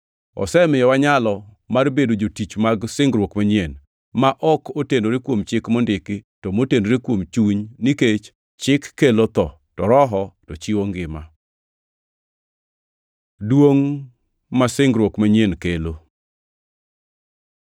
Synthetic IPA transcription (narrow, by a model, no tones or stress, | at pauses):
ɔ̰sɛmɪjɔwaɲalɔ | marbedod͡ʒotit͡ʃmaɡsɪŋɡɾwokmaɲjen | maʔɔkotenoɾekwomt͡ʃɪkmondɪkɪtɔmotendoɾekwomt͡ʃuɲniket͡ʃ | t͡ʃɪkːelot̪ɔ | tɔɾɔɦɔtɔt͡ʃiwoŋɡɪma | dwoŋ | masɪŋɡɾwokmaɲenkelo